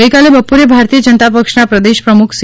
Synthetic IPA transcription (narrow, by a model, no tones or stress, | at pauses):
əjkalebəpuɾebʱaɾt̪ijəd͡ʒənt̪apəkʂnapɾəd̪eʃpɾəmukʰs